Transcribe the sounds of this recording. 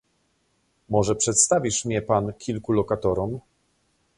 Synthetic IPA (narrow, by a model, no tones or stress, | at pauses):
mɔʐɛpʂɛt̪st̪avʲiʂmɲɛpankʲilkulɔkat̪ɔɾɔm